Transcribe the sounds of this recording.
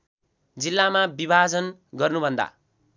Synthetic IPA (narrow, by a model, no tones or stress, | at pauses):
d͡zilːamabibʱad͡zʌnɡʌrnubʱʌnd̪a̰